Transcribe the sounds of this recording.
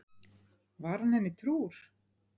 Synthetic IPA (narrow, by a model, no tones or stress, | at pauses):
vaɾ̥hanhɛnːɪt̪ʰɾuːɾ̥